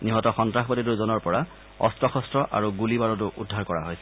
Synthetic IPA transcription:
niɦɔtɔxɔntɹaxbɔtit̬uɹzɔnɔɹpɔɹa | ɔ̰stɹɔxɔstɹɔʔa̰ɹuɡulibaɹɔtʊʔudʱːaɹkɔɹa̰ɦojsɛ

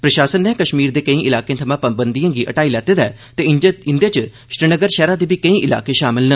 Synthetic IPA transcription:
pɾəʃaːsənːɛ̃ːkəʃmiːɾd̪eːkəĩːʔɪlaːkẽːt̪ʰəmãːpəmbənd̪ijãːɡiːʔə̰ʈaːiːlɛːt̪eːd̪ɛːt̪eːɪnd̪eːt͡ʃ | ʃɾɪnəɡəɾʃɛːɾãːd̪eːbʱiːkəĩːʔɪla̰ːkeːʃaːmɪlnə

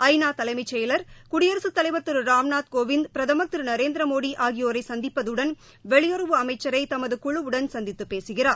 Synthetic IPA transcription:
ɐɪnaːt̪ɐlɐɪmɐɪt͡ʃːɐjɪlɐɾkʊɽɪjɐɾɐsɯt̪ːɐlɐɪʋɐt̪ːɯɾɾaːmnaːt̪̚koːʋɪnd̪pɾɐðɐmɐt̪ːɯɾɯnɐɾeːnd̪ɾɐmoːɽiʔaːɣɪjoːɾɐɪsɐnd̪ɪpːɐðɯɽɐn | ʋɛɭɪjɔɾɯʋɯɐmɐɪt͡ʃːɐɾɐɪt̪ɐmɐðɯkʊɭɯʋɯɽɐnsɐnd̪ɪt̪ːɯpːeːsɯɣɪɾaːɾ

